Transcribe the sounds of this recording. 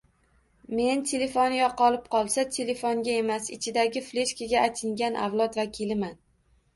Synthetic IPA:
me̞nt̪ʰele̞fonɪjɒqʰɒlˠɪp̚qʰɒlˠsat̪ʰele̞foŋɡʲae̞masɪ̰t͡ʃʰɪd̪aɡʲɪfle̞ʃkʲaɡʲaajt̪ʰɪŋɡʲanʔa̰vlˠɒt̪vakʲʰilɪman

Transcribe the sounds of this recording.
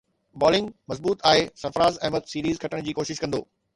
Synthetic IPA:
bɔːlɪ̃ŋɡmɐzbuːt̪aːesɐɾfəɾaːzɛːmət̪siːɾiːzkʰɐʈəɽ̃d͡ʑiːkoːʃɪʃkɐ̃nd̪o̰ː

